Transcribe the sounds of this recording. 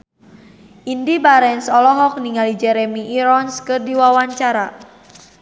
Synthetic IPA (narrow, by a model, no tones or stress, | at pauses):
ʔindibaɾɛnsɔlɔɦɔk̚niŋalid͡ʒɛɾemiʔːɾɔnskɨrdiwawaɲt͡ʃaɾa